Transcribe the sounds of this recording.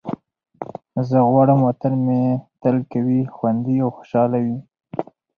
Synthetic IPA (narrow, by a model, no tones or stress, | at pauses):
zəɣwɑɽəmwat̪anmet̪alkawixwand̪iawxo̥ʃɑlawi